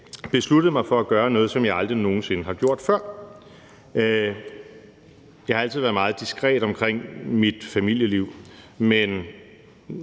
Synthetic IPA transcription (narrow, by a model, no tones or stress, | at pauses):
b̥e̝sluɾ̥ð̩ˠmɑ̈ɪfɒ̽æɡ̥ɶːɐnɔ̽ːð̞̩ˠsɒ̽mjɑ̈ɪɑ̈ld̥ʁino̝ːn̩senəɦɑ̈ɡ̥jo̝ɐ̰d̥fɶɐ̰ | jɑɪhɑ̈ælt͡sʰiðˠʋæɐðˠmɑ̈ːð̞̩ˠd̥isɡ̥ʁɛ̰ːd̥ɒ̽mkʰʁeŋ̰mid̥fæmil̰jəliʊ̰ | men